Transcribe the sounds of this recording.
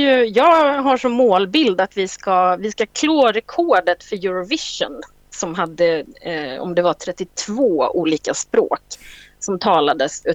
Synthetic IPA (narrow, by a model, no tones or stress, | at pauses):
jɵjɑːɡɦaʂɔmːoːlbɪld̪at̪vɪskavɪskakʰloːɾɛkʰoːɖət̪fœɾjɵɾɔvɪʂə̰n | sɔmɦad̪ːə | ɔ̰md̪ɛvaʈ̪ʰɾɛt̪ːɪt̪ʰvoːuːliːkaspɾo̰ːksɔmt̪ʰɑːlad̪əsʉ